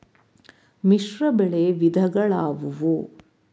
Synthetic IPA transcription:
miʂɾɐbɛɭeʋid̪ʱɐɡɐɭaːʋuʋu

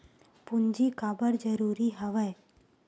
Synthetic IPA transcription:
pʊnd͡ʒikaːbəɾd͡ʒəɾuːɾiɦɐʋəj

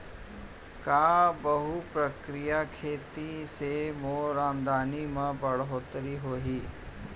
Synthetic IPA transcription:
kaːbɐɦupɾɐkɾijakʰeːt̪isemoːɾaːmd̪ʱaːnimɐbɐɽɦot̪ɐɾiɦoːɦi

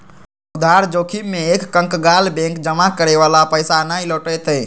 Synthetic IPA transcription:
ʊd̪ʱaɾd͡ʒoːkʰimẽekːə̃ŋkɡalbɛ̃ŋkd͡ʒəmakəɾeʋalapəjsanailɔːʈəjt̪ə

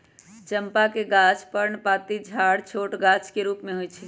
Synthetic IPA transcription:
t͡ʃəmpakeɡat͡ʃpəɾɳpat̪id͡ʒʱaɽt͡ʃʰoʈɡat͡ʃkeɾupmeɦojt͡ʃʰi

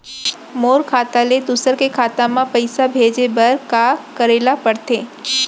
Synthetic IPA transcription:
moːɾkʰaːt̪aled̪ʊsəɾkekʰaːt̪ãmãpəjsabʱed͡ʒebəɾkakəɾelapəɽt̪e

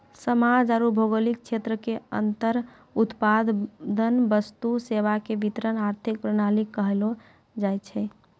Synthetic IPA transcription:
səmad͡ʒaɾubʱoɡəlik̚t͡ʃʰet̪ɾəkeə̰nt̪əɾ | ut̪pad̪d̪ənbəst̪useʋakebit̪ɾənaɾt̪ʰik̚pɾənalikːəɦelo | d͡ʒajt͡ʃʰɛ

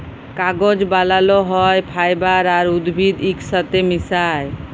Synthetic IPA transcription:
kaɡod͡ʒbalalɔɦɔjpʰajbaɾaɾud̪bʱid̪iksət̪emisaj

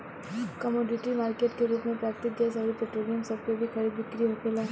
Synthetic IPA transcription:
kɐmɔːɖɪʈimaːɾkeːʈkeɾuːpmẽpɾaːkt̪ɪk̪d͡ʒasɐɾipeʈɾoːlijə̃msɐb̚kobʱikɐɾibɪkɾiɦoːkela

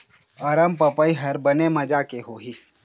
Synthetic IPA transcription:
ɐɾəmpəpəiɦɐɾbɐnemɐd͡ʒakeɦoːɦiː

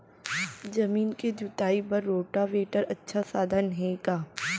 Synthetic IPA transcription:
d͡ʒɐmiːnked͡ʒʊt̪aːipɐɾːoːʈaʋeːʈəɾɐtːʃʰasaːd̪ʱənɦɛ̃ɡaː

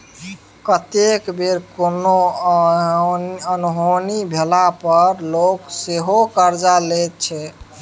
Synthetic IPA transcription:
kət̪ekbeɾkono | ənuɦonibʱelapəɾlokseɦokəɾd͡ʒalɛt̪̚t͡ʃʰɛ

